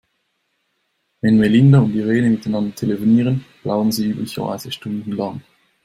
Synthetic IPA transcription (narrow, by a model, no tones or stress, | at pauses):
vɛnmelɪndaʊntiʁeːnəmɪtaɪnɑndɐtʰelefoniːʁənb̥laʊənziːyːblɪçɐ̰va̰ɪz̥əʃtʊndn̩lɑŋ